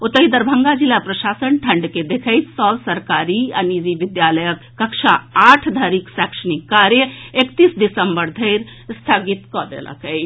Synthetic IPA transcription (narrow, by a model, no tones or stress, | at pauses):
ot̪əɦid̪əɾbʱəŋɡad͡ʒilapɾəʃasənʈʰəɳɖked̪ekʰəɪsɔbsəɾkaɾianid͡ʒiʋid̪jaləjəkːəkʃʰaaʈʰd̪ʱaɾiksɛkʃənikːaɾjəekt̪isɖisəmbəɾd̪ʱəɪɾst̪ʰaɡit̪kɔd̪ḛlə̰kəj